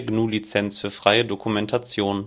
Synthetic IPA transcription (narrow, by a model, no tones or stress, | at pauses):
ɡnuːlit͡sɛnsfyːɐfʁ̥aɪədokʰumɛntʰat͡sjoːn